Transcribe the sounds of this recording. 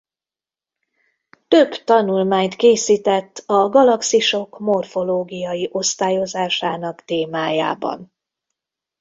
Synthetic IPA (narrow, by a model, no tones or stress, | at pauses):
t̪ø̞bt̪ɒnulmaːɲt̪keːsiːt̪ɛt̪ːɒɡɒlɒksiʃo̞kmo̞rfo̞loːɡijɒjiʔo̞st̪aːjo̞zaːʃaːnɒkt̪eːmaːja̰ːbɒ̰n